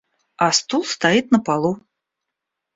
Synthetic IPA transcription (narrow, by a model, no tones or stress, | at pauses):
ast̪ulˠst̪ajit̪nəpalˠu